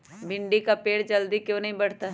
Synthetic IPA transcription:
bɪɳɖikapeːɽd͡ʒɐld̪ikjõːnɐɦĩbɐɽ̤t̪aɦ

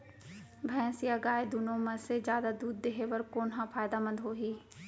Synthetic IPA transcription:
bʱɛ̃ːsɪjaɡaːed̪unõmə̃sed͡ʒjaːd̪ad̪uːd̪̚ːeɦeʋəɾkoːnɦãpʰaːjd̪amə̃nd̪ɦoːɦiː

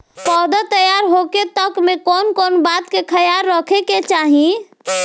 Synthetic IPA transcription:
pɔd̪at̪əjaɾɦoket̪əkmekonkonbat̪kekʰəjaɾːəkʰeket͡ʃaɦĩ

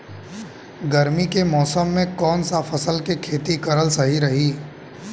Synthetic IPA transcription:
ɡɐɾmikemɔːsəmːẽkɔːnsafʰɐsəlkekʰeːt̪ikɐɾəlsɐɦiɾɐɦiː

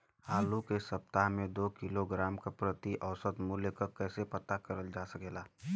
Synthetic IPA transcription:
haːlukesəp̚t̪aɦmẽd̪oːkɪloɡɾaːmkapɾət̪iʔəʊsət̪mʊljəkəkɛːsepət̪akəɾəld͡ʒaːsəkeːlaː

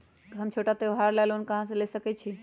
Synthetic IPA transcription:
t̪ɦəmt͡ʃʰoʈat̪eɦaɾlalonkəɦãs̬ẽlesəkɛt͡ʃʰi

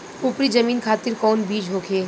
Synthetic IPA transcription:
ʊpɾid͡ʒəmiːnkʰaːt̪ɪɾkɔːnbiːd͡ʒɦoːkʰeː

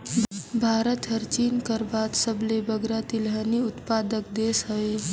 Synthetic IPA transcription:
bʱaɾət̪ɦəɾt͡ʃiːnkəɾbat̪səblebəɡɾat̪ilɦəniʊt̪pad̪ək̚d̪esɦəe

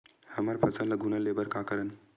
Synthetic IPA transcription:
həmaɾpʰɐsənlɐɡunalebəɾkakəɾən

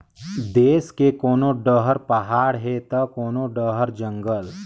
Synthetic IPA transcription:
d̪eːskekoːnoɖəɦəɾpɐɦaːɽɦet̪ɐkoːnoɖəɦəɾd͡ʒə̃ŋɡəl

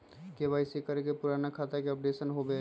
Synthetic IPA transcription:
keʋaːɪsikəɾkepʊɾaːnakʰaːt̪akeɔp̚ɖeːsənɦobe

